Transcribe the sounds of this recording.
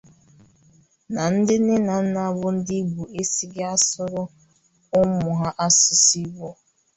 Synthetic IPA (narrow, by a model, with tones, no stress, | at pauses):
na˨n̩˦dɪ˦nɪ˦na˨n̩˦na˦˨˦bʊ˦n̩˦di˦ɡ͡bu˨e˦si˦ɡɪ˦a˦sʊ˦ɾʊ˦ | ʊ˦mʊ˨ɦa˦ʔa˦sʊ˨si˦ɡ͡bɔ˦